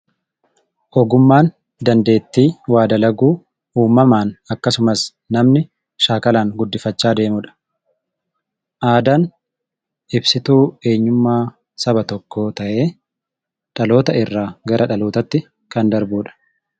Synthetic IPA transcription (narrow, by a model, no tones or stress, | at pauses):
ʔɔɡʊmːaːn | d̪ɐnd̪e̞ːt̪ːiːwaːd̪ɐlɐɡuː | uːmːɐmaːnɐkːɐsʊmɐs | nɐmnɪ | ʃaːkɐlaːŋɡʊd̪ːɪfɐt͡ʃːaːd̪e̞ːmʊᶑɐ̥ | ʔaːd̪an | ʔɪbsɪt̪uːe̞ːɲːʊmːaː | sɐbɐt̪ɔkːo̞ːt̪ɐʔe̞ː | ᶑɐlo̞ːt̪ɐɪrːaːɡɐɾʔɐᶑɐloːt̪ɐt̪ːɪ | kɐnd̪ɐɾbuːᶑɐ̥